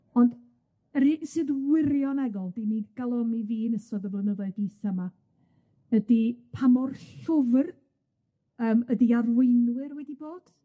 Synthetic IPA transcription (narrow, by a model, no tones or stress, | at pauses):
ɔnd | əɾisɨːðwɪɾjɔnɛɡɔlˠdimiːdɡ̥alˠɔmiviːnəsɔðəvlənəðaɨdisama | ədipʰamɔrɬʊvr | əːmədiarwejnwɨɾwɛdiboːd̥